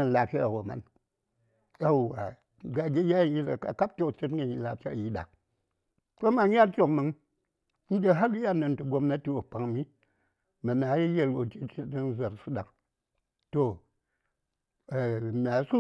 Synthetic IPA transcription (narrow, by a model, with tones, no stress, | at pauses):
a˨n˨la˨pʃʲa˦a˨wo˨ma̰˦n | a˨wa˨ | ɡa˨ɡʲe˦ja˦˨ji˦sa˨a̰˨ka˦p̚te˦˨t͡ʃe˦tɡa˨ni˨la˨t͡ʃa˦˨ji˦ɗa̰˨ | to˦ma˨n˦ja˦ɾt͡ʃo˨kmɨ˨ŋ | n̩˦d͡ʒe˦ɦa˦li˦ja˦na˨ntu˨ɡo˦mna˦ti˦wo˨pa˨ŋmi˦ | ma˨na˨˦ji˦je˦lwo˨t͡ʃi˦t͡ʃi˦na˦n˦za˨ɾsu˦ɗa˨ŋ | to˦˨ | mʲ˨a˨˦su˦